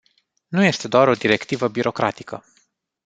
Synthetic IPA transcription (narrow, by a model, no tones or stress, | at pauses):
nuje̞st̪e̞d̪oaɾo̞d̪iɾe̞kt̪ivəbiɾo̞kɾat̪ikə